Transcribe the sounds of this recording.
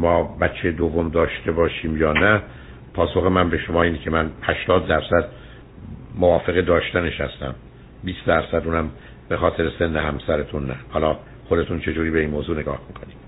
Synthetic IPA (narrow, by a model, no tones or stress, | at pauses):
mɒːbæt͡ʃʰːejed̪ovːomd̪ɒːʃt̪e̞bɒːʃiːmjɒːnæ | pʰɒːso̞xemænbe̞ʃo̞mɒːiːnicʰe̞mænhæʃt̪ɒːd̪ːæɾsæd̪ | movɒːfe̞ɣed̪ɒːʃt̪æne̞ʃhæ̰st̪æ̰m | biːsd̪æɾsæd̪uːnæm | be̞xɒːt̪ʰe̞ɾese̞nːehæmsæɾet̪ʰunːæhɒːlɒː | xo̞d̪e̞t̪ʰunt͡ʃʰe̞d͡ʒuːɾiːbe̞iːnmoːzuːneɡɒːhmiːkʰo̞niːm̥